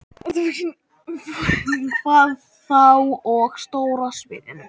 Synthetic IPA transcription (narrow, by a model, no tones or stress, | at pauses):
kʰvaːð | θawɔɣst̪oːwɾasvɪ̰ːðɪ̰n